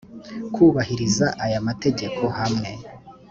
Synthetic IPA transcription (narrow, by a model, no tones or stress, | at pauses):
kʰuːβahiɾizaʔajamate̞ɟe̞kʰo̞hamŋe̞